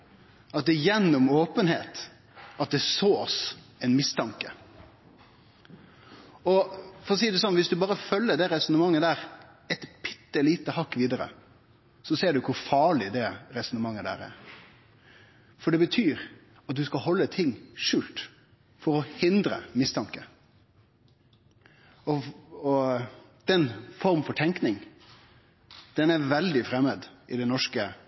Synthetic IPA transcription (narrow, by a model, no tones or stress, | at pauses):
ɑt̪̚d̪ɛjɛnːɔmoːpənheːt̪ | ɑt̪̚d̪ɛsoːs | ɛɪnmɪst̪ʰɑŋkə | ɔfɔɾʁɔs̬iːəd̪ʉs̬ɔnʋɪsd̪ʉbɑːɾəfœlːəd̪ɛɾɛsɔnəmɑŋːəd̪æːɾ | ɛt̪pʰɪ̥t̪ːəliːt̪əhɑkːʋiːd̪əɾə̰ | sɔseːɖʉkʰʊɾfɑːɭɪd̪ɛɾɛsɔnəmɑŋːəd̪æ̰ːɾæ̰ɾ | fɔɖɛbət̪ʰyːɾ | ɑt̪̚d̪ʉskɑhɔlːət̪ʰɪŋːʂʉːlt̪ | fɔɾɔhɪnd̪ɾə̰mɪst̪ʰɑŋkə | ɔɔ | d̪̥ɛnfɔɾmfɔʈʰɛŋknɪŋ | d̪̥ɛnæʋɛld̪ɪfɾɛmːəd̪ʔɪd̪ɛnɔʂkə